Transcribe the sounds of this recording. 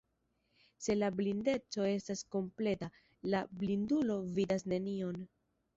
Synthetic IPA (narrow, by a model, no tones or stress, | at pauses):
se̞lablinde̞t͡so̞e̞stasko̞mple̞ta | lablindulo̞vidasne̞nio̞n